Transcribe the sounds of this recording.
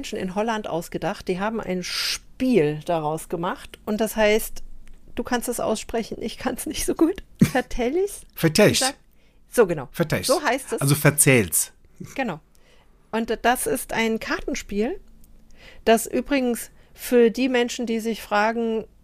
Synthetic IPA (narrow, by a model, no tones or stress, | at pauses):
nʃn̩ɪ̰nɦɔlantʔa̰ʊsɡ̥ədaχt̚d̥iːɦaːbm̩ʔa̰ɪnʃpiːld̥aʁaʊsɡ̥əmaχtʔʊnt̚d̥ashaɪstd̥uːkʰanstɛsʔa̰ʊsʃpʁ̥ɛçn̩ʔɪçkʰansnɪçtz̥oːɡ̥uːtfɛɐtʰɛlɪçfɛɐtʰɛz̥ak̚t | z̥oːɡənaʊfɛɐtʰɛzoːɦaɪstɛsalzofɛɐt͡sɛːls | ɡ̥ənaʊ | ʔʊntd̥asɪstʔaɪnkʰaɐtn̩ʃpiːl | d̥asʔyːbʁɪɡŋ̩sfyːɐdiːmɛnʃn̩diːzɪçfʁ̥aːɡŋ̩